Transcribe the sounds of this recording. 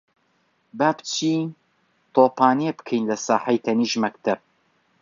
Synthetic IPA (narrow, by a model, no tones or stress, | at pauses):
baːpt͡ʃʰi | t̪ʰoːpaːniebkʰɛjnlɐsaːħajt̪ʰɐniːʒmɐkt̪ʰɐb̚